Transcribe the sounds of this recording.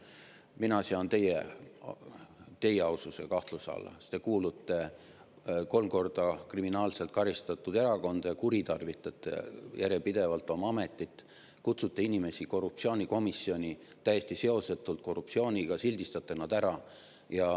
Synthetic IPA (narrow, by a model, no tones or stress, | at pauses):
minɑseɑnt̪e̞jḛ | t̪e̞je̞ɑwsuse̞̰kɑht̪lusɑ̰lːɑ̰st̪e̞kuːlut̪ːˑe̞ | ko̞lmko̞rd̪̥ɑkriminɑːlse̞lt̪̚kɑɾist̪ɑt̪ːˑud̪̥e̞ɾɑko̞nd̪̥ɑjɑkuɾit̪ɑrvit̪ːˑɑt̪ːˑḛjæɾje̞pid̪e̞vɑlt̪ːˑo̞mɑɑme̞t̪ːˑit̪ː | kut̪sut̪ːeinime̞siko̞rup̚sio̞ːnʲiko̞misːio̞nʲi | t̪æjest̪ise̞o̞set̪ːˑult̪̚ko̞rːup̚sio̞ːnʲiɡ̥ɑsilʲd̪ist̪ɑt̪ːˑe̞nɑd̪æɾɑ | jɑ